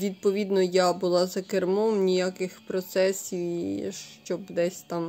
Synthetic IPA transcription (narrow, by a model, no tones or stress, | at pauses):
ʋʲid̪̚pɔʋʲid̪nɔjabʊlˠɑzɐkermɔmnʲijakɪxpɾɔt̪sɛsʲiwʃt͡ʃɔbd̪ɛsʲt̪ɑm